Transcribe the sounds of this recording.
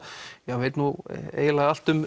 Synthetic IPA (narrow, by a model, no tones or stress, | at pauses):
javejt̪nuḛːjlaðal̥t̪ʏm